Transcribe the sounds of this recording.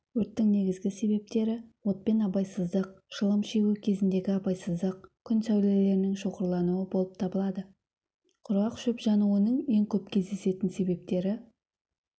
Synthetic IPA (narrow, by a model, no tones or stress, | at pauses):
wɵɾt̪ːɪŋne̞ɡʲɪzɡʲɪse̞be̞p̚t̪e̞ɾɪwo̞t̪̚pe̞nɑpɑjsəzd̪əqʃəlˠəmʃe̞ɡʲukʲʰe̞zɪnd̪e̞ɡʲɪɑpɑjsəzd̪əq̚kʲʰʏnsæwle̞le̞ɾɪnɪŋʃo̞qəɾlˠɑnuwəbo̞lˠəp̚t̪ʰɑbəlˠɑd̪ə | qʰʊɾɑqʃɵpʒɑnuənəɴe̞ŋkʲʰɵp̚kʲʰe̞zd̪e̞se̞t̪ɪnse̞be̞p̚t̪e̞ɾɪ